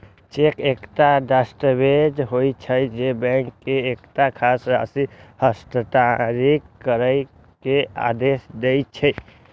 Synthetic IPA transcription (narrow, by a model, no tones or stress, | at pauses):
t͡ʃekekʈaɖasʈəbed͡ʒɦojt͡ʃʰəd͡ʒebə̃ŋkːeːkʈ̪akʰasə̰sihəsʈəʈ̪aɾikːəɾəɪ | kea̰d̪esd̪ejt͡ʃʰəj